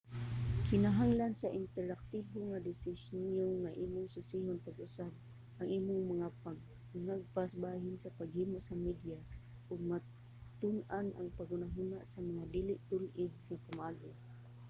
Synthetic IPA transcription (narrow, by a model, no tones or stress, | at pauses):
kɪnaɦaŋlansaʔɪnt̪ɛɾak̚t̪iboŋad̪ɪsɪsnjoŋaʔiːmʊŋsʊsiɦʊnpaɡʊsab̚ | aŋʔiːmʊŋmaŋapa | naɡ̚pasbaːɦɪnsapaɡhimʊʔsamid̪ja | ʔʊɡ̚ma | t̪ʊnana̰ŋpaɡʊnaɦʊnaʔsamaŋad̪iːlɪʔt̪ʊlʔɪɡ̚ŋapamaːɡɪ